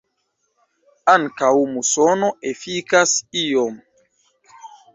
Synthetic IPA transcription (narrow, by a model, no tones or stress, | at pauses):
aŋkawmusono̞ʔefikasiom